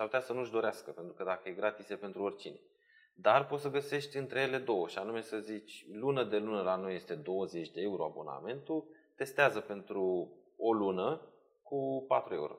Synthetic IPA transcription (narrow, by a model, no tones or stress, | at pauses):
saɾput̪ʲasənuʒd̪o̞ɾeaskəpe̞nt̪ɾukəd̪akəjeɡɾat̪isepe̞nt̪ɾuorʲt͡ʃine̞̰ | d̪arpo̞t̪səɡəse̞ʃt̪ʲɨnt̪ɾe̞jele̞d̪o̞wəʃianume̞səzit͡ʃʲlunəd̪e̞lunəlano̞je̞st̪e̞d̪o̞wəze̞t͡ʃʲd̪e̞euɾo̞abo̞̰na̰me̞nt̪ult̪e̞st̪eazəpe̞nt̪ɾuolunə | kupat̪ɾue̞̰ṵɾo̞̰